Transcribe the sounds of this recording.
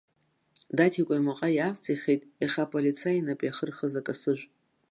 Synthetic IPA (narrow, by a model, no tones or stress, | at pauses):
datʰikʷʼamaqʼajaft͡sʼiχejtʼiχapʼolit͡sʰainapʼiaχərχəzakʼasɨʒᶣʷ